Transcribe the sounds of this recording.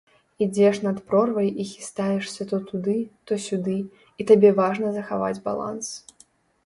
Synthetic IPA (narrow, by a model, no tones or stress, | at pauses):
id͡zʲɛʂnɐt̪pɾɔrvɐjixʲi̥st̪ajɛʂsʲɐt̪ɔt̪ud̪ɨt̪ɔsʲud̪ɨ | it̪abʲɛvaʐnɐzɐxava̰d͡zʲba̰lˠa̰ns